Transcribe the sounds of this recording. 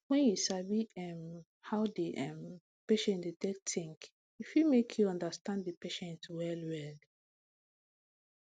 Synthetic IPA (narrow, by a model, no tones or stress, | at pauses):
wɛ̃njusabiɛm | haʊdiʔɛ̃m | peʃɛ̃ntdetek̚tĩŋk | ifjumekʰjuɔ̃ndastãnddəpeʃɛ̃ntwɛlwɛl